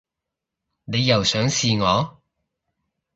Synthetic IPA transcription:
ne˨˧jːɐ˨˩wsœː˨˥ŋsiː˨˧ŋɔː˨˧

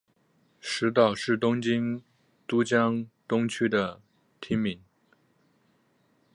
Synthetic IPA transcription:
ʂɻ̩˧˥t̪̬ɑ˨˩ʊʂɻ̩˥˩t̪ʊ˥ŋt͡ɕi˥n | t̪u˥t͡ɕjɑ˥ŋt̪ʊ˥ŋt͡ɕʰy˥d̪ə˨ | t̪ʰi˥ŋmi˧˥n

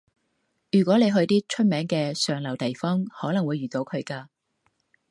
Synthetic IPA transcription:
jyː˨˩kʷwʷɔː˨˥ne˨˧jɦɵ˧ɥt̪iː˥t͡ʃʰɵ˥t̚mɛː˨˥ŋkɛː˧sœː˨˧ŋlɐ˨˩wt̪e˨jfɔː˥ŋhɔː˨˥lɐ˨˩ŋwuː˨˧jɥyː˨˩t̪o˨˥wkʰɵ˨˧ɥkaː˧

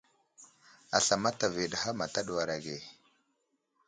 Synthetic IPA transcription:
a˨ɬa˨ma˦ta˨ve˨ɗa˨ha˦ma˨ta˦ɗu˨wa˨ɾa˨ɡe˨

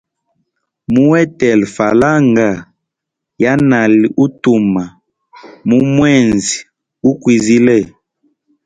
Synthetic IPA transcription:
mu˦wɛ˦tɛ˨lfa˨la˦ŋɡa˨ | ja˦na˨li˨ʔu˦tu˨ma˨ | mu˦mwɛ˦˨nzi˨ | u˦kwi˨zi˦lɛ˦˨

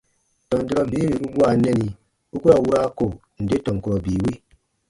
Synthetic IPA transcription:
tɔ̃˨n˨di˦ɾɔ˧biː˨˦ɾi˨u˦bu˦a˨nɛ˦ni˨ | u˦ku˦a˨wu˦ɾa˦ko˨ | n̩˨de˦tɔ̃˨ŋ˨ku˨ɾɔ˨biː˨wi˦

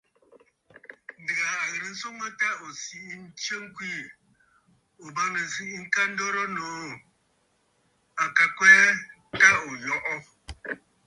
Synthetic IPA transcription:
da˨a˨ɣə˨ɾi˨n̩˦so˦ŋə˦ta˦o˨si˨i˦n̩˦tjə˦ŋ̩˦kwi˦˨ | o˨ba˦knə˨si˦i˦ŋ̩˦ka˦n̩˦dɔ˦ɾɔ˦no˨ | a˨ka˨kwɛː˦ | ta˦o˨jɔ˨ʔɔ˦

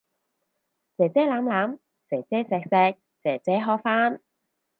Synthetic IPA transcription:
t͡sɛː˨˩t͡sɛː˨˥laː˨˥mlaː˨˥m | t͡sɛː˨˩t͡sɛː˨˥sɛː˨k̚sɛː˧k̚ | t͡sɛː˨˩t͡sɛː˨˥ɦɔː˧faː˥n

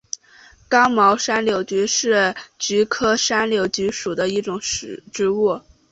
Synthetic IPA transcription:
kɑ˥ŋmɑ˧˥ʊʂa˥nljo˧˥ʊt͡ɕy˧˥ʂɻ̩˥˩t͡ɕy˧˥kʰɤ˥ʂa˥nljo˧˥ʊt͡ɕy˧˥ʂu˨˩d̪ə˦i˥˩ʈ͡ʂʊ˨˩ŋʂɻ̩˨˩ʈ͡ʂɻ̩˥wu˥˩

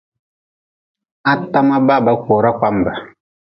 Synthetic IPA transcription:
a˦ta˦ma˦ba˦˨ba˦kʷoː˨ɾa˦kʷa˦mba˨

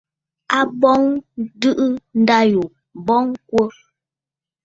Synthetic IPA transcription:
a˦bɔ˦ŋdɨ˦ʔɯ˦n̩˦da˦ju˨ | bɔ˦ŋkwə˦

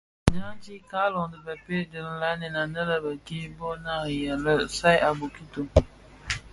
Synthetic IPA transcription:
ɲaː˦t͡ʃiː˦kaː˦lɔ˨ŋ˨dɨ˨ba˨pe˦dɨ˨lɨ˦la˦nɪ˨na˨nɨ˦la˦ba˨ki˦bɔ˦naː˦˨jɛ˨lɨ˦sa˦jʔa˨bo˨ki˦to˨

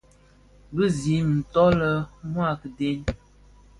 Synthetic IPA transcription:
bə˦zi˨˦n̩˨tɔ˦lə˨mwa˦˨kde˦n

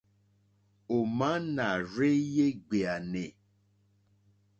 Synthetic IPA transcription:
o˨mã˦nã˨ɾe˦je˦ɡ͡be˨a˨nẽ˨

